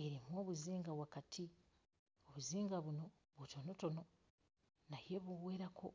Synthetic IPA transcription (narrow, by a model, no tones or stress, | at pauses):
e̞ɾimwo̞ːβuziːŋɡaβwakatʰi | o̞βuziːŋɡaβuno̞ | βuto̞no̞to̞no̞ | naje̞βuβweːɾakʰo̰